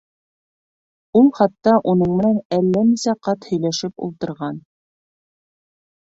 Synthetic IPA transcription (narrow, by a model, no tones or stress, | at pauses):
ulˠχɑt̪ːɑʔunɤɴmɘ̆nænælːænisæqɑt̪hɵ̆jlæʃɘpṵlˠt̪ɤ̆ɾʁɑn